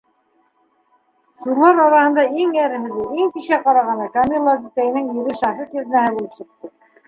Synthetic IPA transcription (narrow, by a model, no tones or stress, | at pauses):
sulˠɑɾɑɾɑhɤ̆nd̪ɑiŋæɾɘ̆ɦɘ̆ðɘiŋt̪iʃæqɑɾɑʁɑnɑkamʲilːˠad̪ut̪æjɘ̆nɘŋjĭɾɘʃɑhit̪jɵ̆ðɘnæɦæbulɘpsɤ̆q̚t̪ɤ